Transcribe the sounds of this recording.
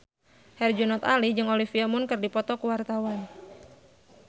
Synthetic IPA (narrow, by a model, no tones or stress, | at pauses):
hɛrd͡ʒunɔt̪alid͡ʒɨŋɔlifiamʊnkɨrdipɔt̪ɔkuwart̪awan